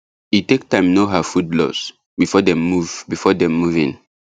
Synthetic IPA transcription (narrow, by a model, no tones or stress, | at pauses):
itek̚tãɪ̃mnoɦəfudlɔ̰s | bifɔdɛ̃mmuvbifɔdɛ̃mːuvĩn